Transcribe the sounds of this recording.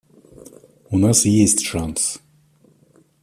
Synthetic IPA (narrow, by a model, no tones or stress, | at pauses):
unasjesʲtʲʂans